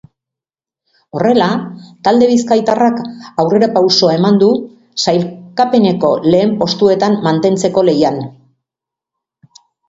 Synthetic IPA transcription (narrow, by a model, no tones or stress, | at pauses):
o̞re̞lat̪ald̪e̞β̞iskajt̪arakawre̞ɾapawso̞ae̞mand̪u | sajlkape̞ne̞ko̞le̞ːmpo̞st̪ue̞t̪amːant̪e̞nt͡se̞ko̞le̞jan